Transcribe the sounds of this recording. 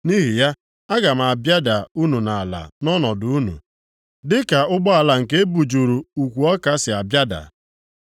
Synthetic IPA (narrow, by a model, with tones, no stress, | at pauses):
ni˦ɦi˨ja˦ | a˦ɡa˨m̩˨a˨bja˦da˨u˦nu˨na˨a˨la̰˨nɔ˦nɔ˨du˨u˦nṵ˨ | dɪ˦ka˨ʊ˦ɡ͡bɔ˦a˨la˨ŋ̩˨ke˦bu˨d͡ʒu˨ɾu˨u˨kʷu˨ɔ˦ka˦sɪ˨a˨bja˦da̰˨